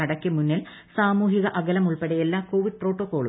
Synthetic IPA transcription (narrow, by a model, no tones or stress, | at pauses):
ɐɽɐkʲːɨmunːil | saːmuːɦiɣɐʔɐɡɐlɐmuɭpeɽejelːaːko̞ːʋiɖ̚pro̞ːʈːoːkːo̞ːɭu